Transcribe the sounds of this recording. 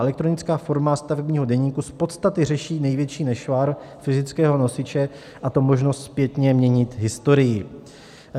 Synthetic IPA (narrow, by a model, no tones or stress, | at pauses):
ɛlɛk̚t̪ɾo̞nɪt͡skaːfo̞ɾmast̪avɛbɲiːɦo̞dɛɲiːkuspo̞t̪st̪at̪ɪrɛʃiːnɛjvjɛt͡ʃiːnɛʃvaɾ | fɪzɪt͡skɛːɦo̞no̞sɪt͡ʃɛ | ʔat̪o̞mo̞ʒno̞st̪spjɛt̪ɲɛmɲɛɲɪt̪ɦɪst̪o̞ɾɪjɪ